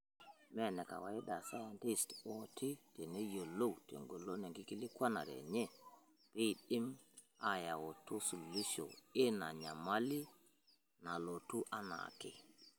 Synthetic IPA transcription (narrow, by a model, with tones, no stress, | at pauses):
me˦˨ne˨ka̰˨wa˨i˦da˨sa˦ja˨nti˦sto˨tʰi˦te˨ne˦jo˨lo˦wtḛ˨ŋɡo˨lo˦ne˨ŋɡi˦ki˦li˦kwa˦na̰˨ɾḛ˨ɲe˦˨ | b̥i˦˨ɗi˦m | a˦ja˨wo˨tu˦su˨li˦so̰˨e˦na˨ɲa˨ma˦li˦ | na˨lo˨tu˦ʔa˦na̰˨ke˨